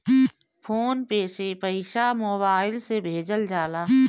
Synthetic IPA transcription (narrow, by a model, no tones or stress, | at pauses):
pʰoːnpeːsepəiʃamoːbaːɪlsebʱeːd͡ʒəld͡ʒaːlaː